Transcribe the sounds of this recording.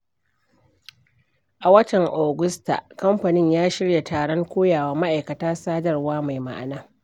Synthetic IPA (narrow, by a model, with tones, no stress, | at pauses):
ʔa˨wɐ˦tɐ˨ŋʔaː˨ɡʊ˦sta̰˨kɐ˦mɸɐ˨nɪ˦ɲjaː˦ʃɪ˦ɽja˨taː˨ɽɔ˦ŋkʷoː˦jaː˨waː˦ma˦ʔa˨jkɐ˨taː˦saː˦dɐ˨rwaː˦ma˨jma̰˦ʔa˨naː˦